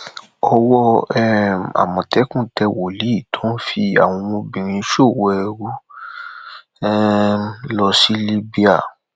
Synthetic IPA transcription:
ɔ˧wɔ˧ɛ˦a̰˨mɔ̃˨tɛ˨˦kũ˦˨tɛ˧wo˨li˨˦i˦˨tʰɔ̃˨˦n̩˦fi˧a̰˨w̃ɔ̃˧mõ˧bĩ˨ɾ̃ĩ˧˦ʃo˦˨wɔ˨˧ɛ˧ɾu˦ | ɛ˦lɔ˧si˦li˦bi˦a˦˨

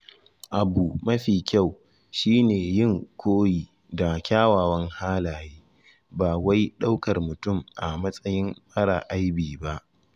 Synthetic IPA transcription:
ʔa˨buː˨mɐ˦ɸiː˨kʲa˦˨w | ʃiː˦neː˨jɪ˦˨ŋkʷʰoː˦jiː˨ | da˨kʲaː˦waː˨wɐ˦ŋhaː˦laː˨jeː˦ | baː˨wa˦jɗa˦wkɐ˨rmʊ˨tʊ˦˨mʔa˨mɐ˦sʼɐ˦jɪ˦mɸɐ˦ɽa̰˨ʔa˦jbiː˨ba˦ʔ

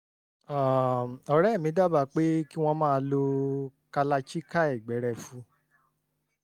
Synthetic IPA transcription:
a˨ɔ˧ɾɛ˦˨mĩ˨˧˦da˦˨ba˧˨k͡pe˦ki˦w̃ɔ̃˧mãː˦˧lo˧ka˧la˧t͡ʃi˦ka˦ɛ˦˨ɡ͡bɛ˨˦ɾɛ˧˨fũ˨˧˦

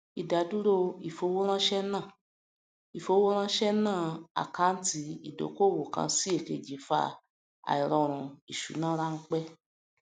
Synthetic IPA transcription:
i˨da˨du˦ɾo˦i˨fo˧˦wo˦ɾ̃ã˦ʃɛ˦nã˦˨ | i˨fo˧˦wo˦ɾ̃ã˦ʃɛ˦nãː˦˨a̰˨ka˨˦n̩˦ti˧˦i˦˨do̰˨˦ko˦˨wo˨kã̰˧si˦e˦˨ke˨d͡ʒi˨˦fa̰˧ | a̰˨i˨ɾɔ˧ɾ̃ũ˧˨i˨ʃṵ˨˦nãː˦ɾa˦˧ŋ̩˦k͡pɛ˦

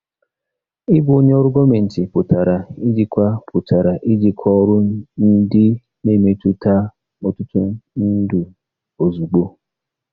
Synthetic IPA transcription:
ɪ˦bʊ˨˦o˦ɲe˦ɔ˦ɾʊ˦ɡo˦me˨n̩˨tɪ˨pʊ˨ta˨ɾa˨ɪ˦d͡ʒi˨kʷa˦pʰʊ˨tʰa˨ɾa˨ʔɪ˦d͡ʒi˨kʰʷɔ˦ɾʊ˦n̩˦dɪ˦ | ne˦˨me˨˦tu˦ta˦ | ɔ˨tʊ˦tʊ˦n̩˦du˨ | o˨zu˨ɡ͡bo˦

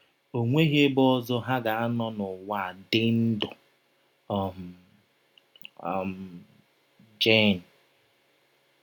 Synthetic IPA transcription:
o˨ŋʷe˦ɣe˦bɔ˦zɔ˦ɦa˦ɡa˨a˦nɔ˦nʊ˨wa˦˨dɪ˦n̩˦dʊ˨ | ɔ˨m̩˨ | m̩ | d͡ʒe˦˨n̩˨

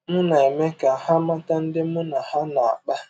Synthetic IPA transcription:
mʊ˦na˨e˨me˦ka˨ha˦ma˦ta˦n̩˦dɪ˦mʊ˦na˨ha˦na˨a̰˨k͡pa˦

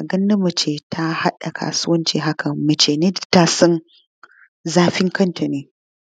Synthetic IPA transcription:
a˨ɡɐ˦nːɐ˦mɐ˨t͡ʃeː˨tʰa˦ha˦ɗa˨kʰa̰ː˨sʊ˦wɐ˦nt͡ʃḭ˨ɦa˦kɐ˨mɐ˨t͡ʃeː˨neː˦dta˦sɐ˦n | zaː˦ɸɪ˦ŋkɐ˦ntʰa˨neː˨

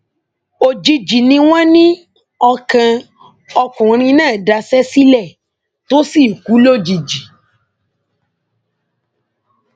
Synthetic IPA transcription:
o˨d͡ʒi˧d͡ʒi˨nĩ˧w̃ɔ̃˦nĩ˦ | ɔ˧kã˧ | ɔ˧kũ˨ɾ̃ĩ˧nãː˦˨da˧sɛ˦si˦lɛ˦˨ | to˦si˦˨ku˨˦lo˦˨d͡ʒi˨d͡ʒi˨

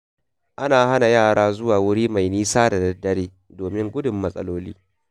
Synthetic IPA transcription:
ʔa˦naː˨ha˦na˨jaː˦˨ɽaː˦zʊ˦waː˨wʊ˦ɽiː˦ma˨jniː˦saː˦da˨dɐ˦dɐ˦ɽeː˦ | doː˨mɪ˦ŋɡʷʊ˦dʊ˨mːɐ˦sʼɐ̰˦loː˦lḭː˦

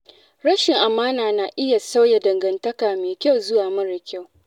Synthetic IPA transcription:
ɽɐ˦ʃɪ˨ŋʔa˨maː˦naː˨naː˨ʔɪ˦ja˨sa˦wja˨dɐ˨ŋɡɐ˨ntɐ˦kaː˨meː˨kʲa˦wzʊ˦waː˨mɐ˦ɽɪ˨kʲa˦˨w

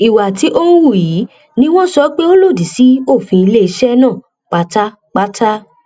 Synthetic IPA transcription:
i˨wa˨ti˨˦ʔo˦n̩˦wu˦˨ji˨˦ | nĩ˦w̃ɔ̃˦sɔ˧˦k͡pe˦o˦lo˦˨di˨si˨˦o˦˨fĩ˧i˧le˦i˧ʃɛ˦nã˦˨ | k͡pa˨˦ta˦ | k͡pa˦ta˦

